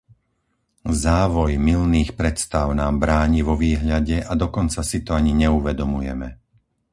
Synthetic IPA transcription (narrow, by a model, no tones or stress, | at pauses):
zaːʋɔjmilniːxpɾɛt̪st̪aʊnaːmbɾaːɲiʋɔʋiːɦʎaɟɛʔad̪ɔkɔnt͡sasit̪ɔaɲiɲɛuʋɛd̪ɔmujɛ̰mɛ